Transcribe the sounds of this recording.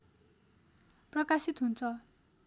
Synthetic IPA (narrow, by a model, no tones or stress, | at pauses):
prʌkasit̪ɦunt͡sʰʌ